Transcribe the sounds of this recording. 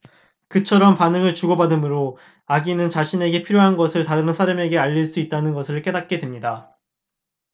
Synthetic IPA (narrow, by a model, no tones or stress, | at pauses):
kɯt͡ɕʰʌɾʌmpanɯŋɯɭt͡ɕuɡʌbadɯmɯɾo | aɡinɯnt͡ɕaɕʰine̞ɡe̞pʰiɾjoɦanɡʌsʰɯɭtaɯɾɯnsʰaɾame̞ɡe̞aʎːiɭs͈uit̚t͈anɯnɡʌsʰɯɭk͈e̞dat̚k͈e̞dwemɲida